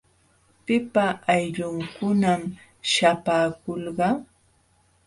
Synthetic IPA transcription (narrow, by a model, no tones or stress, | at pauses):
pɪpaʔːjʎʊŋkʊnam | ʃapaːkolɢɑ